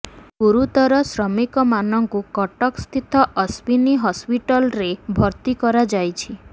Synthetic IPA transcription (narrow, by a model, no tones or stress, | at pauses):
ɡuɾut̪ɔɾɔsɾɔmikɔmanɔŋkukɔʈɔkst̪ʰit̪ɔʔɔspiniɦɔspiʈɔlɾebʱɔɾt̪ikɔɾad͡ʒajt͡ʃʰi